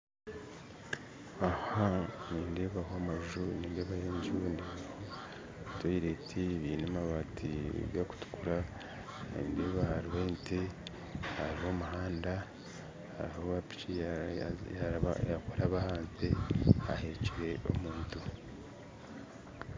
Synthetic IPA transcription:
ahaniːndeβahoamaʒuniːndeːβajeːɲɟundeːβaho | twoiɾetʰiβiːnemaβatʰḭɡaku̥tu̥kuɾa | iːnde̞ːβahaɾiwente | haɾiho̞muɦaːnda | ha̰ɾihoβapi̥t͡ʃi | jaa̰jakoɾaβahaːnzea̰heciɾe̞o̰muntu

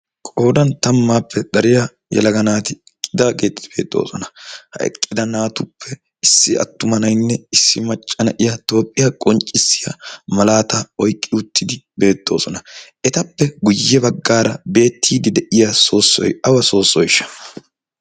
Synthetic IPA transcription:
kʼo̞ːd̪ɐnt̪ɐmːaːpʰːɛd̪ɐɾɪja | jɛ̰lɐɡɐnaːt̪ɪɛkʼːɪd̪aːke̞ːt̪ːɪd̪̥ɪb̥e̞ːt̪ʼːo̞̰ːsɔnɐhɐ̰ɛ̰kʼːɪd̪ɐnaːt̪ʊpʰːɛ | ɪsːɪɐ̰t̪ːʊmɐnɐjnːɛɪsːɪmɐt͡ʃʼːɐnɐʔɪjɐt̪o̞ːpʼːɪjɐkʼɔnt͡ʃʼːɪsːɪjɐ̰mɐlaːt̪ɐɔjkʼːɪʊt̪ʰːɪd̪ɪbe̞ːt̪ːo̞̰ːsɔnɐʔɛt̪ɐpːɛɡʊjːɛbɐɡːaːɾɐbe̞ːt̪ʰːiːd̪ɪd̪ɛʔɪjaso̞ːsːɔ̰jɐwɐso̞ːsːɔjɪʃːɐ̥

